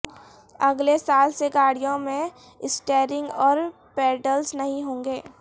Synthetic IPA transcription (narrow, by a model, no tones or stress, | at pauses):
ɐɡlesaːlseɡaːɽijõmẽ | ɪsʈeːɾɪ̃ŋɡɔːɾ | pɛːɖəlsnɐɦĩɦõːŋɡeː